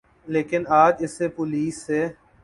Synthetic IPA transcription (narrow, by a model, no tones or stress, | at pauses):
leːkɪnaːd͡ʒɪsːepʊliːsːeː